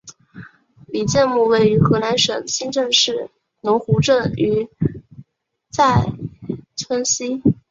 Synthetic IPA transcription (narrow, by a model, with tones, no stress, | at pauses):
li˨˩t͡ɕjɛ˥˧nmu˥˧we˥˩ɪy˧˥xɤ˧˥la˧˥nʂɤ˨˩ŋɕi˥˧nʈ͡ʂɤ˥˧ŋʂɻ̩˥˩ | nʊ˧˥ŋxu˧˥ʈ͡ʂɤ˥˩ŋy˧˥ | t͡sa˥˩ɪʈ͡ʂʰwə˥nɕi˥